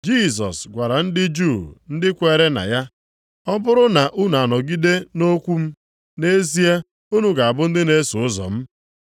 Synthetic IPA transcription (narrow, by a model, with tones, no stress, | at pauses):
d͡ʒi˦˨s̬ɔ̰˨sɡʷa˨ɾa˨n̩˦dɪ˦d͡ʒu˦˨n̩˦dɪ˦kʷe˨ɾe˦na̰˨ja˦ | ɔ˦bʊ˦ɾʊ˦na˨ʔu˦nu˨a˨nɔ˨ɡi˦de˦no˦kʷu˦m̩˦ | ne˦zi˦e˦ | u˦nu˦ɡa˨a˨bʊ˦n̩˦dɪ˦ne˦sʊ˨ʊ˦zɔ̰˨m̩˦